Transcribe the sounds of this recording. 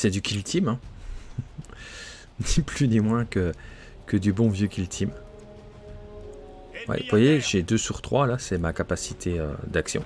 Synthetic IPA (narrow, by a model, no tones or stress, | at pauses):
sɛd̪ykʲʰilt̪ʰimɛ̃ | niplynimwɛ̃kə | kəd̪ybɔ̃vjøkʲʰilt̪ʰim | wɛ̰vwajeʒed̪øsyʁt̪χwalasɛmakapasit̪ʰeø̰d̪aksjɔ̰̃